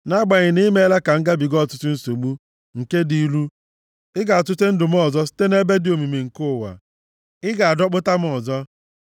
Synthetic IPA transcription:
na˦ɡ͡ba˨ɲɪ˨ni˦me˦la˦ka˨ŋ̩˦ɡa˦bi˨ɡɔ˦˨tʊ˦tʊ˦n̩˦so˨ɡ͡bu˦ | ŋ̩˨ke˦di˨˦lu˦ | ɪ˦ɡa˨a˨tʊ˦te˦n̩˦dʊ˨m̩˦ɔ˨zɔ˦si̥˦te˦ne˦be˦dɪ˨o˨mi˨me˨ŋ̩˨kʊ˦˨wa̰˨ | ɪ˦ɡa˨a˨dɔ˦k͡pʊ˦ta˦m̩˦ɔ˨zɔ˦

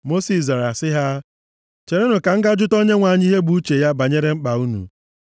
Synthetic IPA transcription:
mo˦si˨sza˨ɾa˨sɪ˦ɦa˦ | t͡ʃe˨ɾe˦nʊ˨ka˨ŋ̩˦ɡa˦d͡ʒʊ˦to˦ɲe˦ŋʷa˨ɲ˦i˦ɦe˦ɡ͡bu˦t͡ʃe˨ja˦ba˨ɲe˦ɾe˦ŋ͡m̩˦k͡pa˨u˦nṵ˨

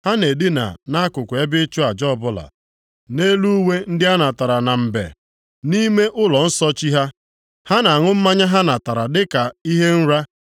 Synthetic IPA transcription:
ha˦ne˨dɪ˦na̰˨na˦a˦kʊ˨kʷe˦bɪ˦t͡ʃʊ˦a˨d͡ʒɔ˦˨bʊ˦la̰˨ | ne˦lu˦we˦n̩˦dɪ˦a˦na˨ta˨ɾa˨na˨m̩˨bḛ˨ | ni˦me˦ʔʊ˦lɔ˨n̩˦sɔ˦t͡ʃi˦ɦa˦ | ha˦na˨ŋʊ˦m̩˦ma˦ɲa˦ɦa˦na˨ta˨ɾa˨dɪ˦ka˨i˦ɦe˦n̩˦ɾa˦

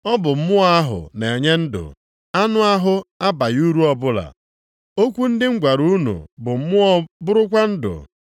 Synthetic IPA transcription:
ɔ˦bʊ˨m̩˦mʊ˦a˦ɦʊ̰˨ne˨e˨ɲe˦n̩˦dʊ̰˨ | a˦nʊ˦a˦ɦʊ˦a˦ba˨ju˦ɾu˦ɔ˦bʊ˦la̰˨ | o˦kʷu˦n̩˦dɪ˦ŋ̩˦ɡʷa˨ɾu˦nṵ˨bʊ˨m̩˦mʊ˦ɔ˦bʊ˦ɾʊ˦kʷa˦n̩˦dʊ̰˨

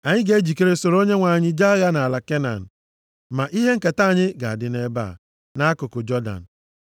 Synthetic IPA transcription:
a˨ɲɪ˦ɡe˦d͡ʒi˨ke˦ɾe˦so˨ɾo˦ɲe˦ŋʷa˨ɲɪ˦d͡ʒa˦ja˦na˨a˨la˨ke˦na̰˨n̩˨ | ma˨ʔi˦ɦe˦ŋ̩˦ka˨ta˦˨ɲɪ˦ɡa˨a̰˨dɪ˨˦ne˦ba̰˦˨ | na˦a˦kʊ˨kʊ˨d͡ʒɔ˦da̰˨n̩˨

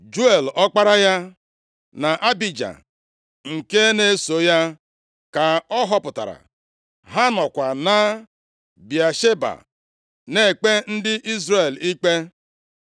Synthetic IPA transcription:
d͡ʒu˦e˨lɔ˦k͡pa˦ɾa˦ja˦ | na˨ʔa˦bi˨d͡ʒa̰˨ | ŋ̩˨ke˦ne˦so˨ja˦ | ka˨ɔ˦ɦɔ˦pʊ˨ta̰˨ɾa̰˨ | ɦa˦nɔ˨kʷa˨na˦ | bja˨ʃe˦ba̰˨ | ne˨k͡pe˦n̩˦dɪ˦ʔi˦zre˨li˦k͡pe˦

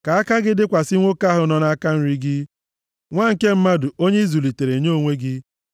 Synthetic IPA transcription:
ka˨a˦ka˦ɡɪ˦dɪ˦kʷa˨sɪ˦ŋʷo˦ka˦ɦʊ˨˦nɔ˦na˦ka˦n̩˦ɾi˦ɡɪ˦ | ŋʷa˦ŋ̩˨ke˦m̩˦ma˦dʊ˨o˦ɲe˦i˦zu˨li˨te˨ɾe˨ɲ˦o˦o˦˨ŋʷe˦ɡɪ˦

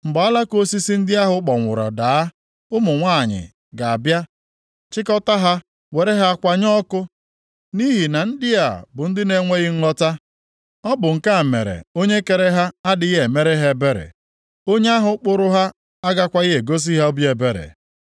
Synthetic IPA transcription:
m̩˨ɡ͡bɔ˨a˦la˦ko˦si˦si˦n̩˦dɪ˦a˦ɦʊ˦k͡pɔ˨ŋʷʊ̰˨ɾɔ̰˨da˨˦ | ʊ˦mʊ˨ŋʷa˦˨ɲɪ̰˨ | ɡa˨a˨bja˦ | t͡ʃɪ˦kɔ˦ta˦ɦa˦ | we˨ɾe˦ɦa˦a˦kʷa˦ɲɔ˦kʊ˦ | ni˦ɦi˨na˨n̩˦dɪ˦a˦˨bʊ˨n̩˦dɪ˦ne˦ŋʷe˦ɣɪ˦n̩˦lɔ˦ta˦ | ɔ˦bʊ˨ŋ̩˨ka˦˨mḛ˨ɾḛ˨o˦ɲe˦ke˨ɾe˦ɦa˦a˦dɪ˨˦ɦe˨me˦ɾe˦ɦe˦be˦ɾḛ˨ | o˦ɲe˦a˦ɦʊ˨˦k͡pʊ˦ɾʊ˦ɦa˦ | a˦ɡa˦kʷa˦ɪ˦ɦe˨ɡo˦s̬i˦ɦa˦o˦bi˦e˨be˦ɾḛ˨

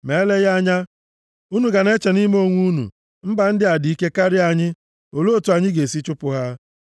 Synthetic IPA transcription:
me˨˦le˦ɣa˦ɲa˦ | u˦nu˨ɡa˨ne˦t͡ʃe˨ni˦m˦o˦ŋʷu˦nṵ˨ | m̩˦ba˨n̩˦dɪ˦a˨di˨i˦ke˦ka˦ɾɪ˦a˨ɲɪ˦ | o˨lo˦o˦˨tu˨a˨ɲɪ˦ɡe˨si˦t͡ʃʊ˦pʊ˨ɦa˦

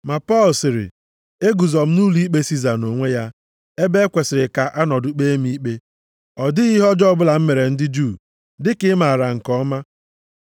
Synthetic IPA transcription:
ma˨pɔ˦˨lsɪ˨ɾɪ̰˨ | e˦ɡu˨zɔ˨m̩˦nu˦li˦k͡pe˦si˦za˨no˨ŋʷe˦ja˦ | e˦be˦kʷe˨sɪ˨ɾɪ˨ka˨ʔa˦nɔ˨dʊ˨k͡pe˦m˦i˦k͡pe˦ | ɔ˨dɪ˦ɣi˦ɦɔ˦d͡ʒɔ˦bʊ˦la˨m̩˦me˨ɾe˨n̩˦dɪ˦d͡ʒu˦˨ | dɪ˦kɪ˦ma˨ɾa˨ŋ̩˨kɔ˦ma˦

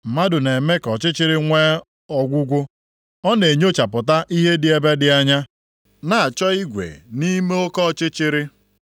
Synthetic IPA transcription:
m̩˨ma˦dʊ˨ne˨me˦kɔ˨t͡ʃɪ˦t͡ʃɪ˦ɾɪ˦ŋʷe˦ | ɔ˦ɡʷʊ˦ɡʷʊ˦ | ɔ˦ne˨ɲo˦t͡ʃa˨pʊ˨t̬a˦ʔi˦ɦe˦dɪ˨e˦˨be˦dɪ˦a˦ɲa˦ | na˨a˨t͡ʃɔ˦i˦ɡʷḛ˨ni˦me˦o˦kɔ˦˨t͡ʃɪ˦t͡ʃɪ˦ɾɪ˦

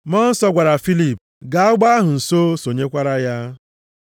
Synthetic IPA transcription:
mɔ˦n̩˦sɔ˦ɡʷa˨ɾa˨fi˦li˦˨p | ɡa˨a˦ɡ͡ba˦a˦ɦʊ˨n̩˨so˦so˨ɲe˦kʷa˦ɾa˦ja˦

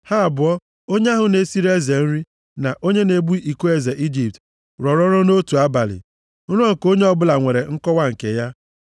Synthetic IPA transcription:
ha˦a˨bʊ˨ɔ˦ | o˦ɲ˦a˦ɦʊ˨ne˨si˦ɾe˦ze˨n̩˦ɾi˦ | na˨ʔo˦ɲe˦ne˨bu˦i˨ku˦e˦ze˨ʔi˦d͡ʒi˨p̚t | ɾɔ˨ɾɔ˦ɾɔ˦no˦tu˨a˦ba˨lɪ̰˨˦ | ɾɔ˦ŋ̩˨ko˦ɲe˦ɔ˦bʊ˦la˨ŋʷe˨ɾe˨ŋ̩˦kɔ˦wa˦ŋ̩˨ke˨ja˦

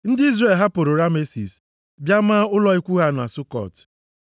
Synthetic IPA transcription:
n̩˦dɪ˦i˦zɾe˨lɦa˦pʊ˨ɾʊ˨ɾa˦me˦sḭ˨s | bja˦maː˦ʊ˦lɔ˦i˦kʷu˦ɦa˦˨nʊ˨a˨sʊ˦kɔ̰˦˨t

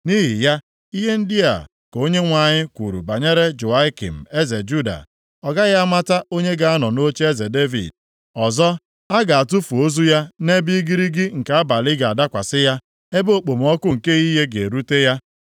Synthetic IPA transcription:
ni˦ɦi˨ja˦ | i˦ɦe˦n̩˦dɪ˦ja̰˨ | ko˦ɲe˦ŋʷa˨ɲɪ˦kʷu˨ɾṵ˨ba˨ɲe˦ɾe˦d͡ʒu˨a˦ɪ˦kḭ˨m̩˨e˦ze˨d͡ʒu˦da̰˨ | ɔ˨ɡa˦ɣa˦ma˦ta˦o˦ɲe˦ɡa˨a˦nɔ˨no˦t͡ʃe˦e˦ze˨de˦vḭ˨d̚ | ɔ˨zɔ˦ | a˦ɡa˨a˨tu˦fu˨o˦zu˦ja˦ne˦bi˦i˦ɡi˦ɾi˦ɡɪ˦ŋ̩˨ka˨˦a˦ba˨lɪ˦ɡa˨a˨da˦kʷa˨sɪ˦ja˦ | e˦bo˦˨k͡po˨m˦ɔ˦kʊ˦ŋ̩˨ke˦ɣi˦ɦe˦ɡe˨e˨ɾu˦te˦ja˦

